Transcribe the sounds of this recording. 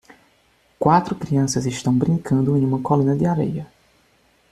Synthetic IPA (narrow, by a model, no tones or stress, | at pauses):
kwat̪ɾʊkɾiɐ̃sɐzɪʃt̪ɐ̃w̃bɾĩŋkɐ̃nd̪ʊẽj̃ũmɐkolĩnɐd̪ɪaɾḛjɐ